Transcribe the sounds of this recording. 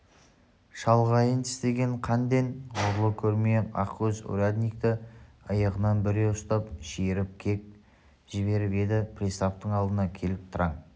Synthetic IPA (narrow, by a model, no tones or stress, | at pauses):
ʃɑlˠʁɑjənt̪ʰɪ̥st̪e̞ɡʲe̞ɴqʰɑnd̪enoɾlˠəkʲʰɵɾmeɑ̰qwɵzṵɾad̪nʲijkt̪ɪ | ɑjɑʁənɑnbɪɾeʊst̪ɑpʃejɾɪp̚kʲʰe̞k̚ | ʒɪβe̞ɾɪpe̞d̪ɪpʰrist̪apt̪əɴɑlˠd̪ənɑkʲʰe̞lɪp̚t̪ʰəɾɑŋ